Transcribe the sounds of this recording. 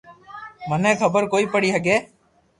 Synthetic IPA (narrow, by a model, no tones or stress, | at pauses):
mənẽːkʰəbəɾkoːiːpəɽiːɦəɡeː